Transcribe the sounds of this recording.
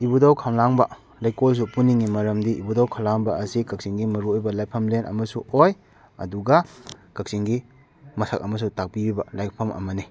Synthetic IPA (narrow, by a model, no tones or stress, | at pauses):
ibudawkʰawlaŋbɐ | lajkols̬upuniŋimɐɾɐmdiḭbudawkʰawlaŋbɐɐsikɐk̚siŋɡimɐɾuojbɐlajpʰɐmlenɐ̰mɐsuoj | ɐ̰duɡɐkɐk̚siŋɡi | mɐsʰɐk̚ɐmɐs̬utak̚pibibɐlajk̚pʰɐmʔɐ̰mɐni